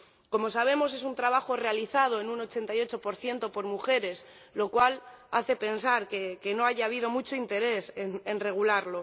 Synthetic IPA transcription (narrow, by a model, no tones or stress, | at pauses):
ko̞mo̞s̬aβ̞e̞mo̞s̬e̞s̬unt̪ɾaβ̞axo̞re̞aliθað̞o̞e̞nuno̞t͡ʃe̞nt̪ajo̞t͡ʃo̞po̞ɾθje̞nt̪o̞po̞ɾmuxe̞ɾe̞s | lo̞kwala̰θe̞pe̞nsaɾkeke̞no̞aʝaːβið̞o̞mut͡ʃo̞int̪e̞ɾe̞senenre̞ɣ̞ulaɾlo̞